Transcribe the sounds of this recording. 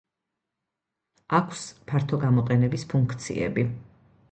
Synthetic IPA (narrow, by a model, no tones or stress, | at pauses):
akʰspʰaɾt̪ʰɔɡamɔqʼɛnɛbispʰuŋkʰt̪sʰḭɛ̰bi